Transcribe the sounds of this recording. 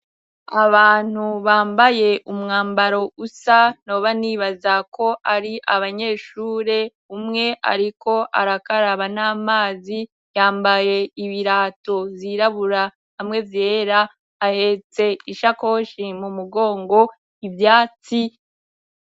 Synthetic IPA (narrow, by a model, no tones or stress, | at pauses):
aβaːn̥huβaːmbaje̞ʔumŋaːmbaɾo̞usano̞βaniːβazakʰo̞ʔaɾiʔaβaɲe̞ːʃuːɾe̞ | umŋe̞ʔa̰ɾiko̞ʔa̰ɾakaɾaβanaːmaːzi | jaːmbaje̞iβiɾaːtoviɾaβuɾa | hamŋe̞vje̞ːɾaː | he̞t͡se̞iʃako̞ːʃimumuɡo̞ːŋɡo̞ | ivjaːt͡si